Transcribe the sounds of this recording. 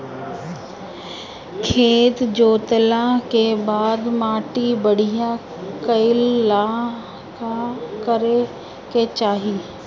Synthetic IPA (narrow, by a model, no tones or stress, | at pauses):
kʰeːt̪d͡ʒoːt̪lãkebaːd̪maːʈibəɽ̤ijã | kɐɪlːa | kakəɾe | ket͡ʃaːɦiː